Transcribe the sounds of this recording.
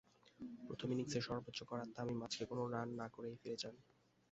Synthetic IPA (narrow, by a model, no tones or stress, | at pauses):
pɾo̰t̪ʰominiŋseʃɔɾbot̪ːɕokɔɾat̪ːaamimad͡ʑkekonoɾanːakoɾejfeɾed͡ʑan